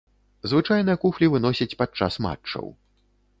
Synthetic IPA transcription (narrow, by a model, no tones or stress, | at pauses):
zvɨt͡ʂajnɨjɐkuxlʲivɨnɔsʲɐt͡sʲpat͡ʂːa̰sma̰t͡ʂːɐ̰w